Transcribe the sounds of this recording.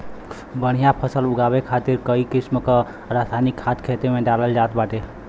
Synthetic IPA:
bəɽ̤̃ijãpʰəsəlʊɡaːwekʰaːt̪ɪɾkəikɪsmka | ɾaːt̪ʰaːnɪkʰːaːt̪kʰeːt̪emẽɖaːləld͡ʒaːt̪baːʈeː

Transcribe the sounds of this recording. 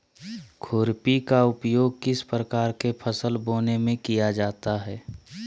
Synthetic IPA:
kʰʊɾpikaʊpjoːɡ̚kɪspɾəkaːɾkepʰəsəlboːnemẽkijad͡ʒaːt̪aɦɛː

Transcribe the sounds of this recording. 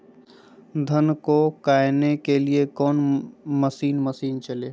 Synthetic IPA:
d̪ʱənkokaːɪnekeliekɔːnməsiːnməsiːnt͡ʃɐleː

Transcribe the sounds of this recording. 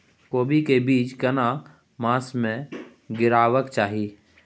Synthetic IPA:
koːbikebiːt͡ʃkəna | mãːsmẽ | ɡɪɾaːʋəkt͡ʃaːɦiː

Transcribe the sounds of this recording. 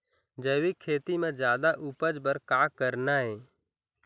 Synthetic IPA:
d͡ʒəːwikʰːeːt̪imẽd͡ʒjaːd̪aʔupəd͡ʒbəɾkaːkəɾnaɦeː

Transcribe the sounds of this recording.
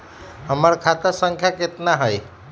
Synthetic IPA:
ɦəmaɽkʰat̪asəŋkʰjaket̪naɦəj

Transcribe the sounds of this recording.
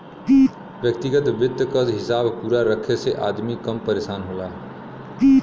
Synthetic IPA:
i | ʋjək̚t̪ɪɡət̪ʋɪd̪ʱkəzɦɪsaːbpuːɾaɾəkʰeseʔaːd̪mikɐmpəɾeːʃaːnɦoaː

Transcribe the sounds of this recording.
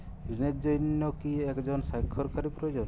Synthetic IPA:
ɾinet̪̚d͡ʒɔjnːɔkiekd͡ʒɔnsajkʰːɔɾkaɾipɾojod͡ʒɔn

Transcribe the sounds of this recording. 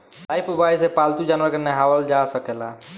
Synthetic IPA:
lajpubajsepalt̪ud͡ʒanwəɾkenəɦawəld͡ʒasəkela

